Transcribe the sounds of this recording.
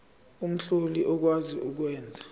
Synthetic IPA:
um̩ɬoliʔɔk̬waziʔuk̬wɛːnd͡zʱa

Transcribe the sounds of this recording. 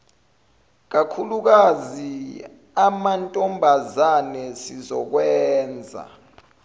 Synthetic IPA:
k̬akʰuluk̬azi | amantʼɔmbʱazanɛsizɔ̰k̬wɛːnd͡zʱa̰

